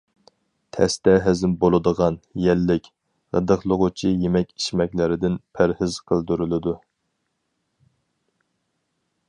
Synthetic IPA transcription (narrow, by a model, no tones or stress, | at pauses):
t̪ʰɛ̰st̪ɛɦæzɪmbolˠɨd̪əʁɑnjɛlːɪkʲ | ʁə̰d̪əχlˠʊʁʊt͡ʃʰijemɛkʲi̥ʃmɛkʲlɪɾɪd̪ɪnpʰæɾhɪz̥qʰəlˠd̪yɾylɪd̪u